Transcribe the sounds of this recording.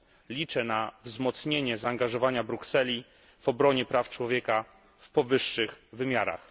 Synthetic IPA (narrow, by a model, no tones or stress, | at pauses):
lʲit͡ʂɛnavzmɔt̪sɲeɲɛzaːŋɡaʐɔvaɲabɾuksɛlʲi | v̥ɔbɾɔɲɛpɾaft͡ʂwɔvʲjeka | fpɔvɘʂːɘxvɘmʲjaɾa̰x